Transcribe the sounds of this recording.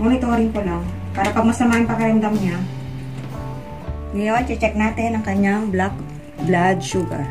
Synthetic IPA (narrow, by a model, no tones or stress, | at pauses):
moːnɪt̪oːɾɪŋpolaŋ | paːɾɐpɐɡ̚mɐsɐmaːjʊŋpɐɡkɐɾɐmd̪amɲa | ŋɐjont͡ʃɪt͡ʃɛk̚naːt̪ɪnɐŋkɐɲaŋblak̚ | blad̪̚ʃuːɡɐ̰ɹ